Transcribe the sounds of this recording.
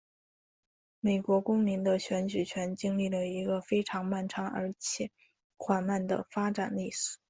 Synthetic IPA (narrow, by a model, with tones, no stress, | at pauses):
me˨˩ɪkwɔ˧˥kʊ˥ŋmi˧˥nd̪ə˧ɕɥɛ˧˥nt͡ɕy˨˩t͡ɕʰɥɛ˧˥nt͡ɕi˥ŋli˥˩lə˩i˧˥ɡə˧fe˥ɪʈ͡ʂʰɑ˧˥ŋma˥˩nʈ͡ʂʰɑ˧˥ŋə̰˞˧˥t͡ɕʰjɛ˨˩˦ | xwa˨˩nma˥˩nd̪ə̰˩fa˥ʈ͡ʂa˨˩nli˥˩ʂ̩˧˩˥